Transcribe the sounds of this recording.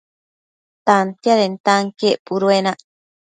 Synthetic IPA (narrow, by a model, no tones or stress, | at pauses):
t̪ant̪jaɾent̪aŋkeʔpuɾuenaʔ